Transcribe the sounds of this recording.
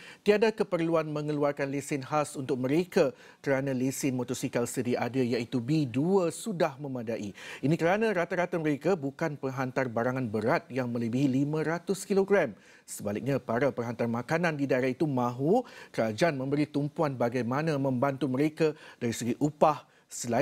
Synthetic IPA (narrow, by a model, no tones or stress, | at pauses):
t̪iadakəpərluanmə̃ŋəluarkanlesɪnɦasunt̪ʊk̚mə̃ɾeka | kəɾanãlesɪnmot̪ɔsikalsədiʔadajait̪ubiduəsudahmə̃mãdaʔiinĩkəɾanãɾat̪aɾat̪aməɾekabukanpəŋɦant̪arbaɾaŋãnbəɾat̪̚jaŋmə̃ləbiɦilimãɾat̪ʊskiloɡɾɛm | səbalɪk̚ɲãpaɾapəŋɦant̪armãkanãndidaeɾahit̪umãɦukəɾad͡ʒaʔanmə̃mbəɾit̪umpuanbaɡajmãnãmə̃mbant̪uməɾekad̥aɾisəɡiʔupah | səla